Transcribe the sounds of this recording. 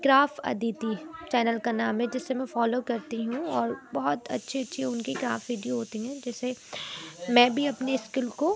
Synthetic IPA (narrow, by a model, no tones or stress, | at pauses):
ɡɾaːfɐ̰d̪iːt̪it͡ʃɛːnəlkanaːmɦɛ̃d͡ʒɪsːemɛ̃fɔːloːkɐɾt̪iɦũɔːɾbɔɦʊt̪ɐ̰tːʃʰiɐtːʃʰiʊnkiɡɾaːfʋiːɖioɦoːt̪iɦɛ̃ːd͡ʒɛːse | mɛ̃ːbʱiɐpneɪskɪlko